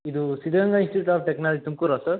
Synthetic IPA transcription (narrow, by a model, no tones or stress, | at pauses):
id̪usid̪ɐɡɐŋɡainsʈiʈuʈaːfʈeknaːld͡ʒit̪umkuɾasɐɾ